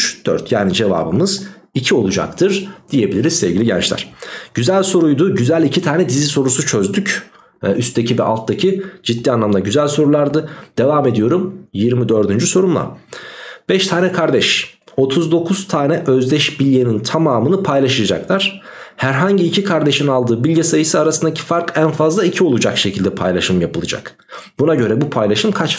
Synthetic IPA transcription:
t͡ʃd̪̥ø̰ɾt̪ʰja̰ːnid͡ʒe̞va̰ːbɯmɯz̥ | icʰio̞lˠud͡ʒa̰k̚t̪ʰɯɾd̪̥ije̞bilʲiɾizsɛvɟilʲiɟɛ̰nt͡ʃlʲæ̰ɾ̥ɟ̥yzælʲso̞ɾujd̪uɟyzælʲicʰit̪ʰaːnɛd̪iziso̞ɾusut͡ʃʰø̞zd̪yc | ʔyst̪ʰecʰivɛʔa̰lˠt̪d̪acʰid͡ʒid̪ːiːanlˠamd̪aɟyzælʲso̞ɾulˠaɾd̪ɯd̪̥e̞vaːme̞d̪ijo̞ɾumjiɾmid̪ø̞ɾd̪ynd͡ʒyso̞ɾumlˠa̰ | b̥ɛʃt̪ʰaːnɛkʰaɾd̪ɛʃo̞t̪ʰuzd̪o̞kʰuz̥t̪ʰaːnɛʔøzd̪ɛʃbilʲjenint̪ʰamaːmɯnɯpʰajlˠaʃɯjad͡ʒa̰klˠaɾ̥hæɾɦaɲɟiːcʰikʰaɾd̪e̞ʃinalˠd̪ɯːbilʲɟɛsajɯsɯaɾasɯnd̪acʰi̥faɾkænfazlˠaicʰio̞lˠud͡ʒakʃecʰilʲd̪ɛpʰa̰jlˠaʃɯmjapʰɯlˠɯd͡ʒa̰k | b̥unaɟø̞ɾɛbupʰajlˠaʃɯmkʰat͡ʃ

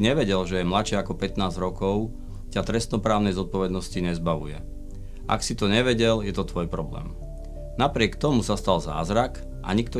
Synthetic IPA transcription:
ɲɛʋɛɟɛlʒɛjɛmlat͡ʃɪɛakɔpɛt̪naːzɾɔkɔʊ | cat̪ɾɛst̪nɔpɾaːʊnɛjzɔt̪̚pɔʋɛd̪nɔsciɲɛzbaʋṵjɛ | ʔa̰ksit̪ɔɲɛʋɛɟɛljɛt̪ɔt̪ʋɔjpɾɔblɛ̰ːm | napɾɪɛkt̪ɔmusast̪alza̰ːzɾak | ʔa̰ɲikt̪ɔ

